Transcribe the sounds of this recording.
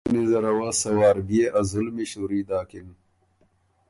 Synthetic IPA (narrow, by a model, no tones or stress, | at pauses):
nizɐɾɐwasɐwaːɾbieʔɐzulmiɕuɾiːd̪aːkin